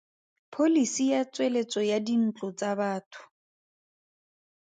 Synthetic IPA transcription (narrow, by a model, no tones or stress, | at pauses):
pʰolisijat͡swelet͡sɔjadin̩t͡ɬʼʊt͡sʼabaːtʰʊ̥